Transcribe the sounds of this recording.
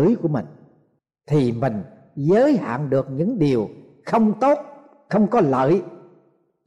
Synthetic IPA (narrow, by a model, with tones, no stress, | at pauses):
ɨ˧˦jku˧˩əmï˨˩ŋ̟ | t̪ʰi˨˩mï˨˩ŋ̟ | zəː˨˦jha̰ː˧˨ŋɗɨ˨˩ək̚ɲɨ̰˧˥ŋɗi˨˩əw | xə˧wŋ͡mt̪o˦˥t̚ | xə˧wŋ͡mkɔ˨˦lə̰ː˧˨j